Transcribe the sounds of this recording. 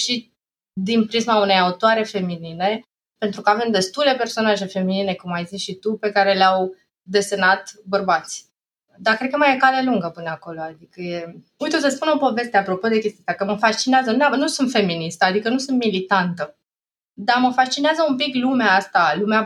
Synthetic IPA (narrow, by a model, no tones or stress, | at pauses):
ʃi | d̪inpɾismaune̞jaut̪oaɾe̞fe̞minine̞ | pe̞nt̪ɾukəave̞md̪e̞st̪ule̞pe̞rso̞naʒe̞fe̞minine̞kumːajzisʃit̪upe̞kaɾe̞leaw | d̪e̞se̞nat̪bərbat̪sʲ | d̪akɾekəmajekaleluŋɡəpɨnəako̞lo̞ad̪ikəje̞ | ujt̪osəspuno̞po̞ve̞st̪eapɾo̞po̞d̪e̞kʲe̞st̪iat̪akəməfast͡ʃineazənanusunt̪fe̞minist̪əad̪ikənusɨnt̪milit̪ant̪ə | d̪aməfast͡ʃineazəumpiklumeaast̪alumea